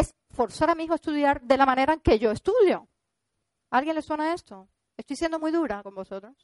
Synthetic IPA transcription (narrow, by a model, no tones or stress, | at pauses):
es | fo̞ɾsaɾamiixoaest̪uðjaɾðe̞lamãne̞ɾaeŋke̞ʝo̞est̪uðjo̞ | alɣje̞nle̞swe̞nae̞st̪o̞ | est̪ojsje̞nd̪o̞mujðuɾako̞mbo̞so̞t̪ɾos